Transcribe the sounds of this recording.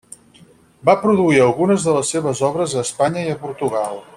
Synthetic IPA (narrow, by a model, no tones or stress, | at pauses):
bapɾuðuiəlˠɣunəzðələsːeβ̞əzɔβɾəzəːspaɲəiəpuɾt̪uɣalˠ